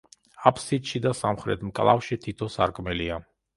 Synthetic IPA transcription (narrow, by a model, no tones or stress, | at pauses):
apʰsit̪ʃid̪asamχɾɛ̰t̪ʰmkʼlˠa̰fʃit̪ʰit̪ʰɔsaɾkʼmɛlia